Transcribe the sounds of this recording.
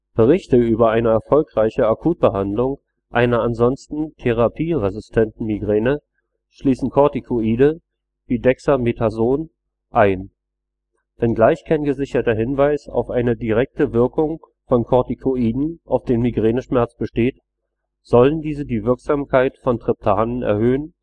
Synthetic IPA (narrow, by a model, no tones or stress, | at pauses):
b̥əʁ̞ɪçtəyːbɐaɪnəɛɐfɔlkʁ̥aɪçəʔakʰuːt̚b̥əɦandlʊŋ | ʔaɪnɐanzɔnstn̩tʰeʁ̞apʰiːʁezɪstʰɛntn̩miɡʁeːnə | ʃliːsn̩kʰɔɐtikʰoiːdə | viːdɛksametʰazoːn | ʔaɪn | v̥ɛnɡlaɪçkʰaɪnɡəzɪçɐtɐɦɪnvaɪsa̰ʊfʔaɪnədiʁɛk̚təvɪɐkʊŋ | fɔnkʰɔɐtikʰoiːdn̩ʔa̰ʊfd̥eːnmiɡʁeːnəʃmɛɐt͡sb̥əʃteːt | z̥ɔləndiːzədiːvɪɐkz̥aːmkʰaɪtfɔntʁ̥ɪp̚tʰaːnənɛ̰ɐhøːən